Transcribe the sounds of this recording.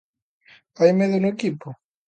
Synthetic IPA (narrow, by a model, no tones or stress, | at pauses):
ajmeðonʊekipo